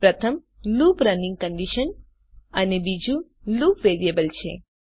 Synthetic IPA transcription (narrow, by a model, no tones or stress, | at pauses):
pɾət̪ʰəm | lupɾənĩŋɡ̚kəɳɖiʃən | ənebid͡ʒũ | lupʋeɾiebəlt͡ʃʰḛ